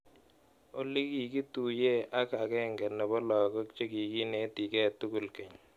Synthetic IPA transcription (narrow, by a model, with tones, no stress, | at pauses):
o˦li˦ki˨ki˦tu˨je˦ʔa˦ka˨kɛ˦˨ŋɡɛ˨nɛ˨bɔ˦lɔ˨kɔ˦kt͡ʃe˦ki˨ki˦ne˦ti˨kɛ˦˨t̪u˦ku˨lkɛ˨ɲ